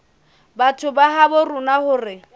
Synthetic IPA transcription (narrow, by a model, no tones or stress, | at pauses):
batʰʊbaɦabʊrʊnahʊːrɪ